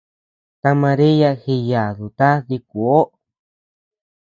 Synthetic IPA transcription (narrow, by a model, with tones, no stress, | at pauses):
t̪a˧mã˧ɾi˦ja˧xi˧ja˨ðu˨t̪a˦ði˧ku˨o˦